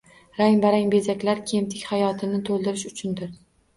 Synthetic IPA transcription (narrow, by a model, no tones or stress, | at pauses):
ɾaŋbaɾaŋbe̞zakʲlaɾkʲʰe̞mt̪ʰɪkʲhajɒt̪ʰɪnɪt̪ʰolˠd̪ɪɾɪʃʊt͡ʃʰʊnd̪ɪɾ